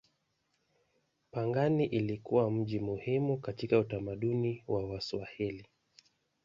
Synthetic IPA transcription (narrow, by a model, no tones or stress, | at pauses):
paŋɡaniʔilikuwam̩ʄimuhimukatikautamaɗuniwawaswahili